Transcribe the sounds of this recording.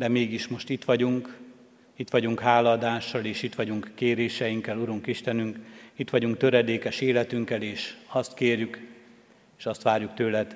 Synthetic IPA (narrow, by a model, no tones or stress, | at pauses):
d̪ɛmeːɡiʃmo̞ʃt̪it̪ʋɒɟuŋk | it̪ʋɒɟuŋkɦaːlːɒːd̪aːʃːɒleːʃit̪ʋɒɟuŋkːeːɾeːʃɛjiŋkːɛluɾuŋkiʃt̪ɛnyŋkit̪ʋɒɟuŋk̚t̪ø̞ɾɛd̪eːkɛʃeːlɛt̪yŋkɛleːʃɒst̪keːrjyk | eːʃɒst̪ʋaːrjukt̪øːlɛt̪